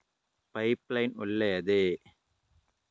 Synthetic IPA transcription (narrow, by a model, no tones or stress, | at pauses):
pɐɪplɐɪnʊɭːɐjɐðɯ